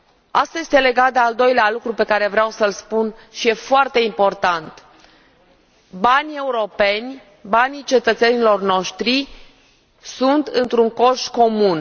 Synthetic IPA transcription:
ast̪aje̞st̪ele̞ɡat̪̚d̪eald̪o̞jlealukɾupe̞kaɾe̞vɾeawsəlspunʃije̞foart̪e̞impo̞rt̪ant̪ | banʲe̞uɾo̞pe̞nʲ | banit͡ʃe̞t̪ət̪se̞nilo̞rno̞ʃt̪ɾi | sunt̪ɨnt̪ɾuŋko̞ʃko̞mun

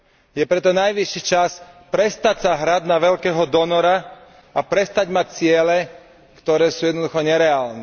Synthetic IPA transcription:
jɛpɾɛt̪ɔnajʋiʃːit͡ʃaspɾɛst̪acsaɦɾad̪naʋɛʎkɛːɦɔd̪ɔnɔɾa | apɾɛst̪aɟmac̚t͡sɪɛlɛ | kt̪ɔɾɛːsuːjɛd̪nd̪uxɔɲɛɾɛaːlnɛ

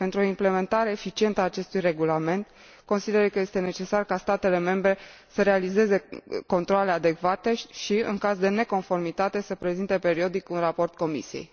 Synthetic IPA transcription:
pe̞nt̪ɾuo̞imple̞me̞nt̪aɾe̞ːfit͡ʃie̞nt̪əaːt͡ʃe̞st̪ujre̞ɡulame̞nt̪ | ko̞nsid̪eɾəkəje̞st̪e̞ne̞t͡ʃe̞sarkast̪at̪e̞le̞me̞mbɾe̞ | səɾe̞alize̞ze̞ko̞nt̪ɾoale̞ad̪e̞kvat̪e̞ʃiɨ̰ŋkazd̪e̞ne̞ko̞nfo̞rmit̪at̪e̞səpɾe̞zint̪e̞pe̞ɾio̞d̪ikunrapo̞rt̪̚ko̞mḭsiḛj

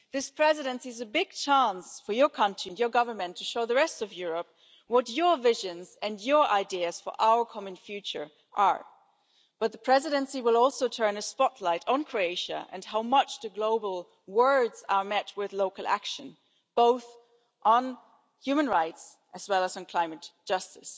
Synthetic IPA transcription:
ðɪspʰɹ̥ɛzɨɾɨ̃nsiɨzɨbɪɡ̚t͡ʃʰæ̃nsfə˞jə˞kʰʌ̃ntɹ̥iɨ̃njə˞ɡʌvə˞mɨ̃ntʰɨʃoʊðəɹɛstʌvjʊɹəp̚ | wʌtə˞vɪʒɨ̃nzɨ̃njə˞ʔa̰ɪdiɨz̥fə̰˞ʔaʊə˞kʰɑmɨ̃nfjʉt͡ʃə̰˞ | ʔə̰˞ | b̥ʌt̪̚ðəpʰɹ̥ɛzɨɾɨ̃nsiwəlˠɔlˠsoʊtʰɜ̃˞nɨspɑtʰˡlaɪɾn̩kʰɹ̥oeɪʃɨ̰ʔɨ̰̃nɦaʊmʌt͡ʃðɨɡloʊbl̩ˠ | wɜ˞dzə˞mɛt̚wɪðloʊkl̩ˠæ̰kʃɨ̃n | b̥oʊθ | ʔn̩ | hjʉmə̃nɹaɪts | ʔɨzwɛlˠəzn̩kʰl̥ãɪ̃mɨtd̥ʒ̥ʌstɨs

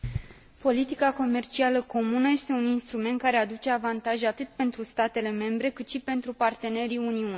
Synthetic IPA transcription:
po̞lit̪ikako̞me̞rt͡ʃialəko̞munəje̞st̪e̞uninst̪ɾume̞nt̪̚kaɾe̞ad̪ut͡ʃe̞avant̪aʒat̪ɨt̪pe̞nt̪ɾust̪at̪e̞le̞me̞mbɾe̞kɨt̪ʃipe̞nt̪ɾupart̪e̞ne̞ɾiuniu

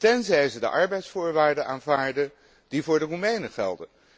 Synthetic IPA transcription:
tɛnzɛjzədə̰ʔɑɹbɛjtsfʊːɹʋaːɹdənaːnvaːɹdə | divʊːɹdərumejnəχɛ̰lˠdə

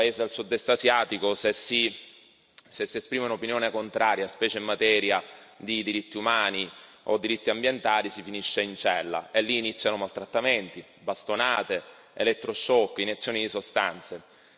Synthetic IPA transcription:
aeːzed̪elsud̪ɛst̪azjaːt̪ikosesi | sesːiespɾiːmeunopinjoːnekont̪ɾaːɾjaspɛːt͡ʃeimːat̪ɛːɾjad̪id̪iɾit̪ːiumaːni | o̰d̪ːiɾit̪ːiambjent̪aːlisifiniʃːeint͡ʃɛlːa̰elːiːnit̪sːjanomalt̪ɾat̪ːament̪i | bast̪onaːt̪e | elɛt̪ːɾoʃɔkːinet̪sːjoːnid̪isost̪a̰nt̪se

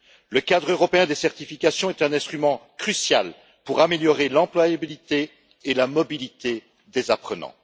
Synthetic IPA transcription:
ləkad̪ʁøʁɔpeɛ̃d̪esɛʁt̪ifikʲasjɔ̃ɛt̪ɛ̃nɛ̃st̪χymɑ̃kχysja̰l | puʁameljɔʁelɑ̃plwajabilit̪eː | lamɔbilit̪e | d̪ezapχənɑ̰̃

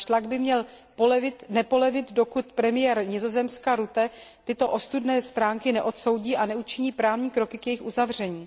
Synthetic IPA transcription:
ʃt̪laɡ̚bɪmɲɛlpvɪt̪nɛpo̞lɛvɪd̪do̞kut̪pɾɛmɪjɛɾɲɪzo̞zɛmskaɾut̪ɛt̪ɪt̪o̞ʔo̞st̪udnɛːst̪ɾaːŋkɪnɛʔo̞t̪so̞wɟiːʔanɛut͡ʃɪɲiːpɾaːvɲiːkɾo̞kɪkjɛjɪxʔuzavr̝ɛɲiː

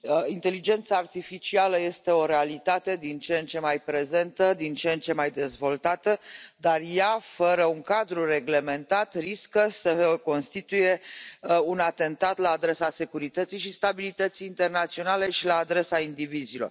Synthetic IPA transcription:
int̪e̞lid͡ʒe̞nt̪saːrt̪ifit͡ʃialəje̞st̪e̞o̞ɾe̞alit̪at̪e̞d̪int͡ʃent͡ʃe̞majpɾe̞ze̞nt̪əd̪int͡ʃent͡ʃe̞majd̪e̞zvo̞lt̪at̪əd̪arjafəɾəuŋkad̪ɾure̞ɡle̞me̞nt̪at̪riskəsəko̞nst̪it̪uje̞ | unat̪e̞nt̪at̪laːd̪ɾe̞sase̞kuɾit̪ət̪sijʃist̪abilit̪ət̪sijːnt̪e̞rnat̪sio̞nale̞ʃilaːd̪ɾe̞saind̪ivizilo̞̰r

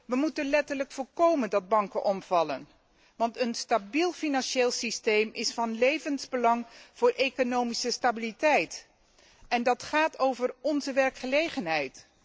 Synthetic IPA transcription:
ʋəmutənlɛtərləkfʊːlkowməndɑd̚bɑŋkəʔɔmv̥ɑlə̰n | ʋɑntənstabilˠfinɑnʃeːlˠsistejmɪsfɑnlejvənzbəlɑŋv̥ʊːɹʔejkonowmisəstabilitɛjt | ɛndɑtχaːtowvərɔnzəʋɛɹkχəlejχənɦɛjt

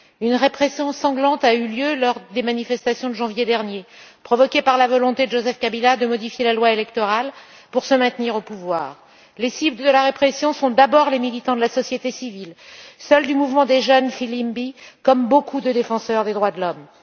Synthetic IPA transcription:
ynʁepχesjɔ̃sɑ̃ɡlɑ̃t̪ayljølɔʁd̪emanifɛst̪asjɔ̃d̪əʒɑ̃vjed̪ɛʁnjepχɔvɔkʲepaʁlavɔlɔ̃t̪ed̪əʒozɛfkabilad̪əmɔd̪ifjelalwaelɛkt̪ɔʁal | puʁsəmɛ̃t̪niʁopuvwaːʁ | lesibləd̪əlaʁepχesjɔ̃sɔ̃d̪abɔʁlemilit̪ɑ̃d̪əlasɔsjet̪esivilsœld̪ymuvmɑ̃d̪eʒənfilimbikɔmbokud̪əd̪efɑ̃sœʁd̪ed̪ʁwad̪əlɔm

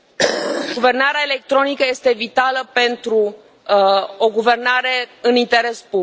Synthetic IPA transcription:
ɡuve̞rnaɾeaele̞k̚t̪ɾo̞nikəje̞st̪e̞vit̪aləpe̞nt̪ɾu | o̞ɡuve̞rnaɾe̞ɨnint̪e̞ɾe̞spu

